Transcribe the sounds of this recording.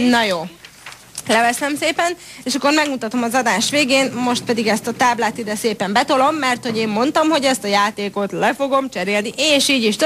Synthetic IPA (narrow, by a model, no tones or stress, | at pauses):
nɒjoː | lɛvɛsɛmseːpɛneːʃɒkːo̞rmɛɡmut̪ɒt̪o̞mɒzɒd̪aːʃʋeːɡeːnmo̞ʃt̪̚pɛd̪iɡɛst̪ɒt̪aːblaːt̪id̪ɛseːpɛmbɛt̪o̞lo̞mːɛrt̪ho̞ɟeːmːo̞nt̪ɒmho̞ɟɛst̪ɒjaːt̪eːko̞t̪lɛfo̞ɡo̞mt͡ʃɛɾeːlniʔeːʃiːɟiʃt̪